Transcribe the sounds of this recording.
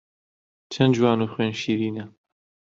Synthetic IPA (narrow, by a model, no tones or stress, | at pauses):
t͡ʃʰɐnd͡ʒwaːnuːxweːnʃiːɾiːnɐ